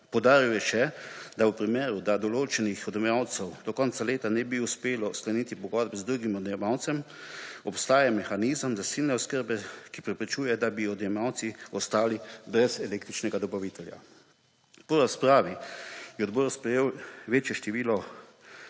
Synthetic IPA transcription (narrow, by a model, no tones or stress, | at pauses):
pɔwd̪aːɾiwjɛʃɛd̪awpɾimeːɾud̪ad̪ɔloːt͡ʃɛnixɔd̪ɛmjawt̪sɛwd̪̥ɔkɔnt̪saleːt̪anɛbiuspeːlɔsklaniːt̪ipɔɡɔd̪̚bɛzd̪ɾuɡimɔd̪ɛmawt̪sɛm | ɔpst̪aːjamɛxanizəmzasiːlnɛɔskəɾbɛkipɾɛpɾit͡ʃuːjɛd̪abiɔd̪jɛmawt̪siɔst̪aːlibɾɛzɛleːkt̪ɾit͡ʃnɛɡad̪ɔbaʋit̪ɛlja̰ | pɔɾaspɾaːʋijɛɔd̪bɔɾspɾɛjeːwʋeːt͡ʃjɛʃt̪ɛʋiːlɔ